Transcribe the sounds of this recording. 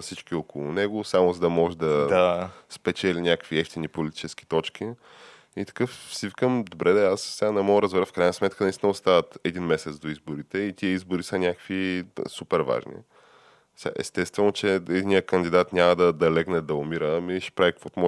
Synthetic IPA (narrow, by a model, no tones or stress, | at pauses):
fsit͡ʃkiokolˠʊnɛɡosamozɐd̪ɐmɔʒɛd̪ɐd̪aspɛt͡ʃɛlinʲakəkviɛft̪inipolit̪i̥t͡ʃɛsk̟i̥t̪ɔt͡ʃki | it̪ɐ̥kɤfsivikəmd̪obɾʔɛd̪ɛassɛanɛmɔɡəɾəzvɛɾəfkɾajnəsmɛt̪̚kʰənɐist̪ʲinəost̪avət̪ɛd̪inmɛsɛt̪sd̪oizboɾit̪ɛit̪iəizbʊɾisənʲakəkvisupɛɾva̰ʒnḭ | sɛa̰ʔɛ̰st̪ɛst̪vɛnot͡ʃɛɛd̪inijəkənd̪id̪at̪nʲaməd̪ɐd̪ɐlɛɡnɛd̪ɐomiɾəmiɛʃɛ̥pɾavikəkvɔt̪omɔ